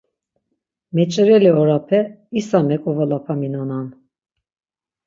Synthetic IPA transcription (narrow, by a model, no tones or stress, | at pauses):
mɛt͡ʃʼəɾɛliɔɾapʰɛ | isamɛkʼɔvalapʰaminanan